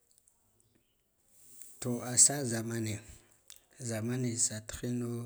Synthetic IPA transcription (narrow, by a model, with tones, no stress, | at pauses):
to˨a˨sa˦za˨ma˦ne˨ | za˨ma˦ni˨sa˨txi˦no˦